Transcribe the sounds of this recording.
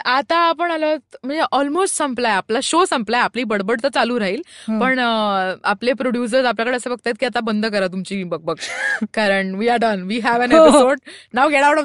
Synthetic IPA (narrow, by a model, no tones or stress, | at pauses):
at̪aːpəɳalət̪m̤əɳd͡zeʔɔlmosʈsə̃mplajaplaɕosəmplajapliːbəɽbəɽt̪ət͡saluːɾaɦiːlpəɳaplepɾoɽjus̬əɾsap̬ljakəɽeəsəfəɡ̚t̪ajet̪kiat̪abənd̪ʱk̬əɾat̪umt͡ɕiːbəɡ̚bəɡkaɾəɳʈʋiːaɾɖənʋiːɦæʋæ̃nepisoɖnawɡeʈawʈɔ